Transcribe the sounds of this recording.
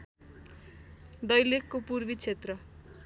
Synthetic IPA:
d̪ʌjlekːopurbit͡sʰet̪rʌ

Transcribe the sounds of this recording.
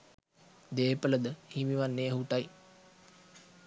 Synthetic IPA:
d̪eːpələd̪əhimiʋanːeːəɦuʈaj

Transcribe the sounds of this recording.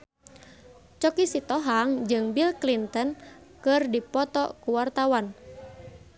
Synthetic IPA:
t͡ʃɔkisit̪ɔɦaŋd͡ʒɨŋbilklint̪ɔn | kɨrdipɔt̪ɔkuwart̪awan

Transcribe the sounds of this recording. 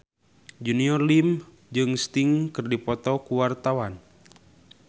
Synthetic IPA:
d͡ʒuniɔrlim | d͡ʒɨŋst̪iŋkɨrdipɔt̪ɔkuwart̪awan

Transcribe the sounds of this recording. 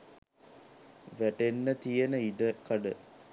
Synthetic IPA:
ʋæʈenːət̪ijənəid̪əkɐɖə

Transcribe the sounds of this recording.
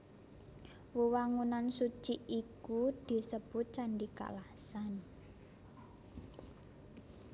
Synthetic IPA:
wuwaŋunansut͡ʃiikud̪̥i̤səb̥ʊ̤t̪̚t͡ʃaɳɖika̰la | san

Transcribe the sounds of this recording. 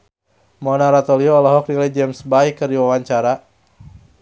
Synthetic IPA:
mɔnaɾat̪ɔliɔːlɔɦɔk̚diled͡ʒɛmsbajkərdiwawaɲt͡ʃaɾa

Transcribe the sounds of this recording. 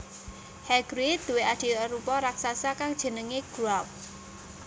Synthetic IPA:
hɛɡ̥ɾid̪̥ṳwead̪̥i̤əɾupɔɾaksasakaŋd̥ʒ̥ə̤nəŋeɡ̥ṳap̚

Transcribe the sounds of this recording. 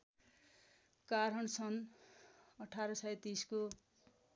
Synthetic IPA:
kaɾʌnsʌn | ʌʈʰaɾʌsʌjt̪isko

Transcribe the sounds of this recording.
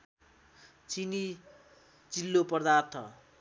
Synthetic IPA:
t͡sini | t͡silːopʌrd̪art̪ʰʌ̰

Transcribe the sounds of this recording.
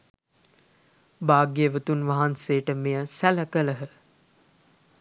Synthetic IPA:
baːɡeʋət̪unʋaɦanseːʈəmejəsæləkələɦə

